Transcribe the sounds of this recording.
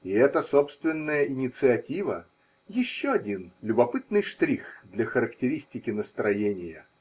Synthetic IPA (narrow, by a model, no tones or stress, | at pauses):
ɪɛt̪əsopst̪vʲɪnːəjəʔɪnʲɪt̪sɨɐtʲivə | jɪɕːoɐdʲinlʲʊbɐpɨt̪nɨjʂt̪ɾʲixd̪lʲɐxəɾəktʲɪɾʲisʲtʲɪkʲɪnəst̪ɾɐjenʲɪjə